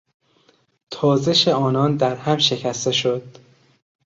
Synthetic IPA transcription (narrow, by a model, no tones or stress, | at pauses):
t̪ʰɒːze̞ʃeɒːnɒːnd̪æɾhæmʃe̞cʰæst̪e̞ʃod̪̥